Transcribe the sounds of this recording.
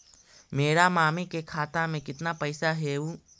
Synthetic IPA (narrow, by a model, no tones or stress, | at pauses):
meːɾamaːmikekʰaːt̪amẽkɪt̪napəɪsaɦeːu